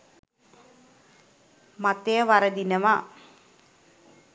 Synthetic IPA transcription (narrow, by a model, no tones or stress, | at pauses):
mat̪ejəʋaɾəd̪inəʋa